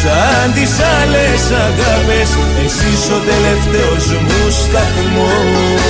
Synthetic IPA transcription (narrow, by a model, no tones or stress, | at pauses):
saand̪isalesaɣaβes | ensisot̪eleft̪eozembust̪akumo